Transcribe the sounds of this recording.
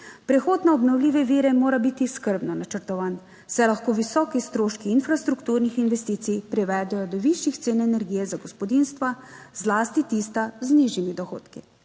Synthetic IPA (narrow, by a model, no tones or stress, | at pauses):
pɾɛxoːd̪naɔbnɔwlʲiːʋɛʋiːɾɛmoːɾabit̪iskəɾbnɔnat͡ʃəɾt̪ɔʋaːn | sɛlaxkoːʋisɔːkist̪ɾoːʃkiːnfɾast̪ɾukt̪uːɾnixinʋɛst̪iːt̪sijpɾɛʋɛːd̪ɛjɔd̪ɔʋiʃjixt̪seːnɛnɛɾɡiːjɛzaɡɔspɔd̪inst̪ʋazlaːst̪it̪iːst̪azniʒimid̪ɔxo̰ːt̪ki